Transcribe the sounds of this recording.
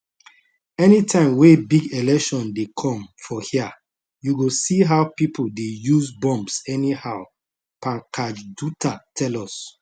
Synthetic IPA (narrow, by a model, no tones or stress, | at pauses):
ɛnitʰãɪ̃mwebiɡelɛkʃɔ̃ndekʰɔ̃mfɔhia | juɡosiɦaʊpipʰoldejuzbɔ̃mbsɛnihaʊ | pãnkʰad͡ʒdutatʰɛlɔs